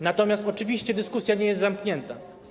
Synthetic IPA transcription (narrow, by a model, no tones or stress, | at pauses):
nat̪ɔmʲjast̪ɔt͡ʂɘvʲiɕt͡ɕɛd̪ɘskusjaɲɛjɛst̪zamkɲɛnt̪a